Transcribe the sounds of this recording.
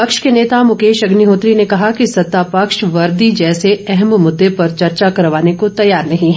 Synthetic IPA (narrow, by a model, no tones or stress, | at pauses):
pɐkʃkeneːt̪amʊkeːʃɐɡniɦoːt̪ɾinekɐɦakisɐt̪ːapɐkʃʋɐɾd̪id͡ʒɛːseɛɦɛmmʊd̪ːepɐɾt͡ʃɐɾt͡ʃakɐɾʋaːnekot̪ɐjaːɾnɐɦĩɦɛ